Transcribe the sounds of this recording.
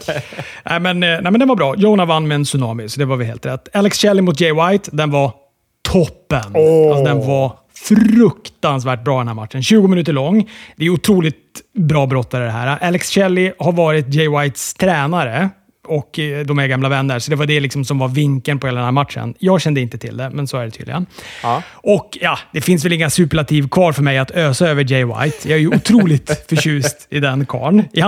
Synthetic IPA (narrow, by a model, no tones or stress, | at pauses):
nʔɛɪmɛnnæɪmɛnd̪ɛnvaɾbɾɑːjoʊnavanːmɛɛnsɵnɑːmɪsɔd̪ɛvaɾvɪlɦeːlt̪ɾɛt̪ːɛlɛksɕɛlːɪmʊt̪̚d͡ʒɛjwajt̪d̪ɛnva | t̪ʰɔpːənalsd̪ɛnva | fɾɵkt̪ans̬væːʈ̚bɾɑːd̪ɛnhæːma̰t̪ʂənɕʉ̟ːɡʊmɪnʉt̪əɭɔŋːd̪ɛæjʊt̪ʰɾuːlɪt̪bɾɑːbɾɔt̪ʰːɛɾəd̪ɛɦæ̰ːɾaʔɛlːɛksɕɛlːɪhaɾvɑːɾɪt̪̚d͡ʒɛjwajt̪st̪ʰɾɛːnaɾə | ɔkd̪ɔmæɡamlavɛnːəɾsɔd̪ɛvaɖɛlɪksɔmsɔmvaɾvɪŋkənpʰɔheːlad̪nhæːɾmat̪ʂə̰njɑːɡɕɛnd̪əɪnt̪ət̪ʰɪ̰ld̪ɛmɛnsɔæɖɛt̪ʰy̰d̪ɪ̰ɡən | ɔkjɑd̪̥ɛfɪnsvɛlɪŋːasʉ̟ːpəɭat̪ʰiːvkʰvɑːɾfœɾmɛjat̪øːsaøːvəd͡ʒɛjwa̰jt̪jɑæjɵʊt̪ʰɾuːlɪt̪fœɕʉ̟ːst̪ɪd̪ɛnkʰɑ̰ːɳɪ